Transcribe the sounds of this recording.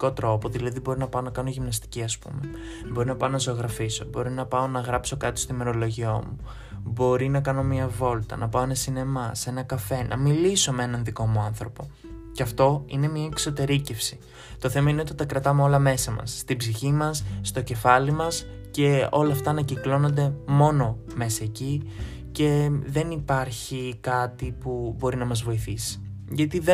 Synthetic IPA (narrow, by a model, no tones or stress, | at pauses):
ko̞t̪ɾo̞poðilɐðibo̞ɾinɐpɐonɐkɐno̞ʝimnɐst̪i̥ciɐspṵme̞ | bo̞ɾinɐpɐonɐzoɣɾɐfiso̞bo̞ɾinɐpɐo̞nɐɣɾɐpso̞kɐt̪i̥st̪oime̞ɾo̞lo̞ʝiomu | bo̞ɾinɐkɐno̞miɐvo̞lt̪ɐ̰nɐpɐo̞enɐsine̞mɐse̞nɐkɐfe̞nʔɐ̰miliso̞mee̞nɐnðiko̞muɐnθɾo̞po̞ | ceɐft̪o̞ine̞mɲɐekso̞t̪e̞ɾice̞fsi̥ | t̪o̞θe̞mɐine̞o̞t̪it̪ɐkɾɐt̪ɐme̞o̞lɐme̞sɐmɐ̰sːt̪ibziçimɐsːt̪o̞ce̞fɐlimɐs | ce̞o̞lɐft̪ɐːnɐciklo̞no̞nd̪e̞mo̞no̞ | me̞sɐeci | ce̞ðe̞nipɐɾçikɐt̪ipubo̞ɾinɐmɐzvo̞iθisi̥ | ʝɐt̪iðe